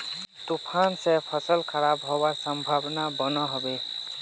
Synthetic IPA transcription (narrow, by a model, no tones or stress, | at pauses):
t̪upʰansẽpʰʌsəlkʰəɾabɦobasəmbʱabnabənəɦɔbe